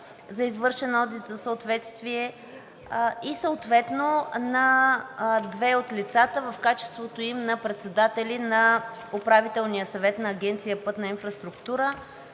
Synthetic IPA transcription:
zɐizvɤɾʃɛnɔd̪it̪zɐsəot̪vɛt̪st̪viɛ | isəot̪vɛt̪nonɐ | d̪vɛot̪lʲit̪sat̪əvɐfkat͡ʃɛ̥st̪vot̪oimnɐpɾɛt̪sɛd̪at̪ɛlʲinɐ | ʊpɾavit̪ɛlˠnijəsɐvɛt̪nɐːɡʲɛnt̪sijəpɤt̪nɐinfɾɐst̪ɾʊkt̪uɾə

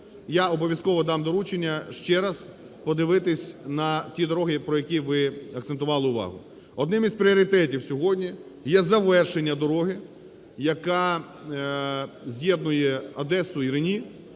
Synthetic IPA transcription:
jaɔbɔʋʲjɐskɔʋɔd̪ɑmd̪ɔɾut͡ʃenʲːɐʃt͡ʃɛɾɐz̥ | pɔd̪ɪʋɪt̪ɪsʲnɐtʲid̪ɔɾɔɦɪpɾɔjɐkʲiʋɪɐkt̪sent̪ʊʋɑlˠɪʊʋɑ̰ɦʊ | ɔd̪nɪmispɾʲɪɔɾʲɪt̪ɛtʲiwsʲɔɦɔdʲnʲi | jɛzɐʋɛrʃenʲːɐd̪ɔɾɔɦɪ | jɐkɑ | zʲjɛd̪̚nʊjɛɐd̪ɛsʊiɾɪnʲi

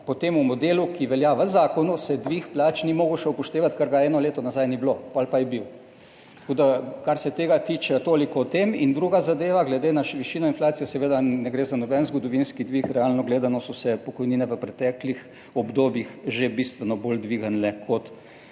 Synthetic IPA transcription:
pot̪eːmumɔd̪eːlukiʋɛljaʋəzaːkɔnusɛd̪ʋixplaːt͡ʃnimoːɡuʃɛupɔʃt̪eːʋat̪kəɾɡaɛːnɔleːt̪ɔnazajniblopalpajɛbiw̪ | kod̪akaɾsɛt̪eːɡat̪iːt͡ʃɛt̪oːlikɔt̪emind̪ɾuɡazad̪eːʋaɡlɛd̪enaʃʋiʃiːnɔinflaːt̪sijɛsɛʋeːd̪anɛɡɾeːzanɔbɛnzɡɔd̪ɔʋinskid̪ʋixɾɛaːlnɔɡleːd̪anɔsɔsɛpɔkɔjniːnɛʋəpɾɛt̪ɛːklix | ɔbd̪oːbjixʒebist̪ʋɛnɔbold̪ʋiːɡənlɛkʰɔt̪

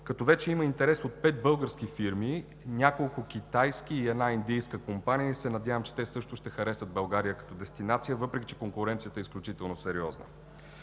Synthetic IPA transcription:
kɐt̪ɔvɛt͡ʃɛiməint̪ɛɾɛsot̪̚pɛt̪̚bɤlˠɡəɾskifiɾmi | nʲakolˠkʊk̟ʲit̪ajsk̟iːɛd̪naind̪ijskəkompanijəisɛnɐd̪javəmt͡ʃɛ̥t̪ɛsɤʃt̪ʊʃt̪ɛxɐɾɛsəd̪̚bɐlˠɡaɾijəkɐ̥t̪ɔd̪ɛst̪inat̪sijəvɤpɾɛkʲi̥t͡ʃɛ̥koŋkʊɾɛnt̪sijət̪əɛisklʲut͡ʃit̪ɛlˠnosɛɾiɔznə̰

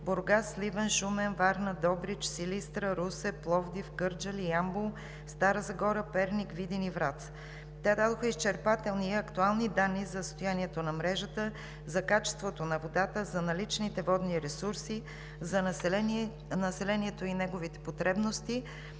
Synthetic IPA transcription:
boɾɡaslivɛnʃumɛnvaɾnəd̪ɔbɾit͡ʃsilist̪ɾəɾusɛplˠɔvd̪ifɡɤɾd͡ʒəliambulˠ | st̪aɾəzɐɡɔɾəpɛɾnikvid̪inivɾat̪s | t̪ɛd̪ad̪oxəist͡ʃɛɾpat̪ɛlˠniɐkt̪ualˠnid̪anːizɐst̪ojaniɛt̪onɐmɾɛʒət̪ə | zɐkat͡ʃɛ̥st̪vot̪onɐvod̪at̪əzɐnɐlit͡ʃnit̪ɛvɔd̪niɾɛsuɾsi | zɐ | nɐsɛlɛniɛt̪oinɛɡovit̪ɛ̥pot̪ɾɛbnost̪i

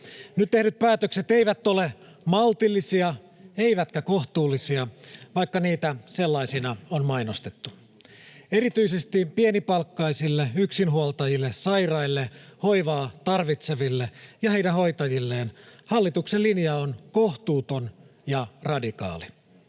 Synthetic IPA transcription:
nyt̪t̪e̞hnyt̪̚pæːt̪økse̞t̪eiʋæt̪ːo̞le | mɑlt̪ilːisiɑ | eiʋæt̪kæko̞ht̪uːlːisiɑʋɑikːɑniːt̪æse̞lːɑisinɑonmɑjnost̪et̪ːu | e̞ɾit̪yisest̪ipienipɑlkːɑisilːeyksinɦuolt̪ɑjilːessɑjrɑilːeho̞jʋɑːt̪ɑrʋit̪se̞ʋilːejɑhejdæɦo̞jt̪ɑjilːe̞ːnhɑlːit̪ukselːinjɑonko̞ht̪uːt̪o̞njɑrɑdikɑ̰ːli

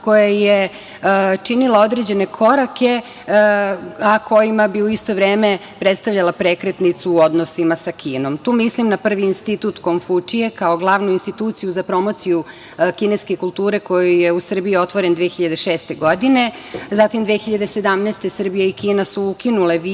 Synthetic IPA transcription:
ko̞jaje | t͡ʃinilao̞d̪ɾed͡ʑe̞ne̞kʰo̞ɾake̞ | akʰo̞jimabiuist̪o̞ʋɾeːme̞ | pɾet̪st̪aʋʎalapɾekɾet̪nit̪suːo̞d̪no̞simasakiːno̞mt̪uːmislimnapr̩ʋiːnst̪it̪ut̪konfut͡ʃije̞kaoɡlˠaʋnuinst̪it̪uːt̪sijuzapɾo̞mo̞t̪siju | kineske̞kulˠt̪uːɾe̞ko̞jujeusr̩biio̞t̪ʋo̞ɾend̪ʋexiʎad̪eʃeːst̪e̞ɡo̞d̪ine̞zat̪imd̪exiʎad̪ese̞d̪amneːst̪esr̩bijeikiːnasuukinule̞ʋi

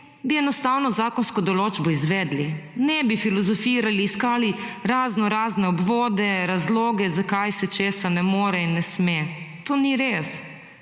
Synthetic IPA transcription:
biɛnɔst̪aːwnɔzaːkɔnskɔd̪ɔloːd͡ʒbɔizʋɛːd̪linɛbifilɔzɔfiːɾaliːskaːliɾaːznɔɾaːznɛɔbʋoːd̪ɛɾazloːɡɛzakajsɛt͡ʃeːsanɛmoːɾɛinːɛsmet̪oːniɾes

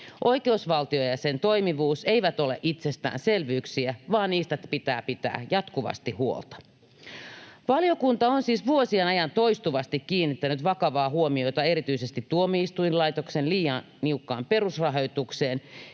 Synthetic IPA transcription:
ʔo̞ike̞usʋɑlt̪iojɑsent̪o̞jmiʋuːse̞iʋæt̪o̞lḛʔit̪sest̪æ̰ːnse̞lʋyːksiæʋɑːnːiːst̪ææpit̪æ̰ːpit̪æ̰ːjɑt̪kuʋɑ̰st̪ihuo̰lt̪ɑ̥ | ʋɑlijo̞kunt̪ɑonsiːsʋuosienɑjɑnt̪o̞ist̪uʋɑst̪ik̟ːiːnːit̪ːænyt̪ʋɑkɑʋɑːɦuomio̞jt̪ɑe̞ɾit̪yisest̪it̪ːuomiist̪ujnlɑjt̪oksenliːjɑn | niukːɑ̰ːmpe̞rusrɑɦo̞jt̪ukseːn

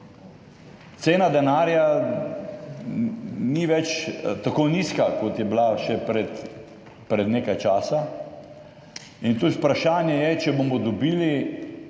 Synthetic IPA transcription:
t̪seːnad̪ɛnaːɾja | niʋɛt͡ʃt̪akoniskakot̪jɛblaʃɛpɾɛt̪ | pɾɛd̪neːkajt͡ʃaːsa | int̪ut̪pɾaʃaːnjɛjɛt͡ʃɛbomɔd̪ɔbiːli

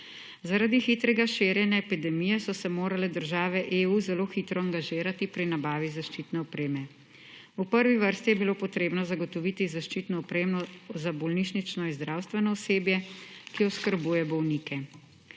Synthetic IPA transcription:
zaɾad̪ixit̪ɾɛɡaʃeːɾjɛnɛːpid̪ɛmijɛsɔsɛmoːɾalɛd̪əɾʒaːʋɛʔeːuzɛloːxit̪ɾɔaŋɡaʒiːɾat̪ipɾinabaːʋizaʃt͡ʃit̪nɛɔpɾeːmɛ | upəɾʋiʋəɾst̪ijɛbiloːpɔt̪ɾeːbnɔzaɡɔt̪ɔʋiːt̪izaʃt͡ʃiːt̪nɔɔpɾeːmnɔzabɔlniʃnit͡ʃnɔinzd̪ɾaːwst̪ʋɛnɔɔseːbjɛkiɔskəɾbuːjɛbɔwniːkɛ

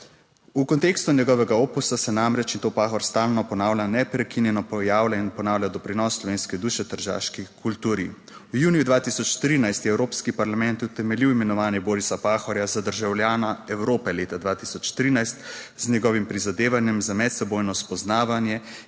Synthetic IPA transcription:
ukɔnt̪eːkst̪unʲjɛɡɔʋɛɡaoːpusasɛnamɾɛt͡ʃint̪oːpaːxɔɾst̪aːlnɔpɔnaːwlʲanɛpɾɛkinjɛnɔpɔjaːwlɛinpɔnaːwlʲjad̪ɔpɾinɔsːlɔʋeːnskɛd̪uːʃɛt̪əɾʒa̰ːʃkikʰult̪uːɾi | wjuːnjud̪ʋaːt̪isɔt͡ʃt̪ɾiːnajst̪jɛɛwɾoːpskipaɾlamɛnt̪ut̪ɛmɛliwimɛnɔʋaːnjɛbɔːɾisapaːxɔɾjazad̪əɾʒawljaːnaɛwɾoːpɛleːt̪ad̪ʋaːt̪isɔt͡ʃt̪ɾinajst̪ | znʲɛɡɔʋimpɾizad̪eːʋanjɛmzamɛt̪sɛboːjnɔspɔznaːʋanjɛ

